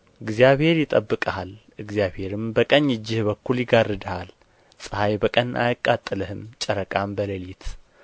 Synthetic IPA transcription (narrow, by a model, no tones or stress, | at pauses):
ɨɡzijaβhe̞ɾjɪt̪ʼəbːɨkʼəhal | ɨɡzjaβhe̞ɾɨmbəkʼəɲjɨd͡ʒːɪhbəkʰːuljɪɡarːɨd̪əhal | sʼɨhajbəkʼənʔa̰jɨkʼːat̪ʼːɨləhɨmt͡ʃʼəɾəkʼambələlit̪ʰ